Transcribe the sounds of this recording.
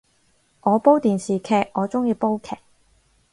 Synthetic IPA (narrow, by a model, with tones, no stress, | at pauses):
ŋɔː˨˧po˥wt̪iː˨nsiː˨kʰɛː˨˩k̚ŋɔː˨˧t͡sʊ˥ŋjiː˧po˥wkʰɛː˨k̚